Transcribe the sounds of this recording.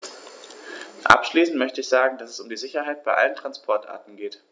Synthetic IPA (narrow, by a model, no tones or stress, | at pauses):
ʔa̰pʃliːsn̩tmœçtəɪçz̥aːɡŋ̩d̥asɛsʊmdiːzɪçɐɦaɪt̚b̥aɪʔa̰ləntʁ̥anspʰɔɐtʔa̰ːɐtn̩ɡeːt